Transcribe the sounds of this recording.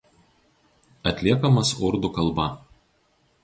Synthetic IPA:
ɐt̪ʲlʲiɛkɐmɐsʊɾd̪ʊˑkɐlˠˑbɐ

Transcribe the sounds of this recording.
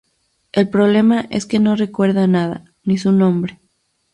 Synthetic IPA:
e̞lpɾo̞β̞le̞maʔe̞̰ske̞no̞re̞kwe̞ɾðanaða̰ | nisunõ̞mbɾe̞

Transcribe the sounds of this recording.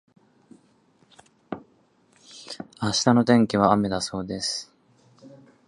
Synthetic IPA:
aɕi̥t̪ano̞t̪ẽ̞ŋkʲiβ̞aame̞d̪aso̞ːd̪e̞sɨ̥

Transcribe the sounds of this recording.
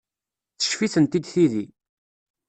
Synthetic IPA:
θə̥ʃfiθənt̪id̪θiði

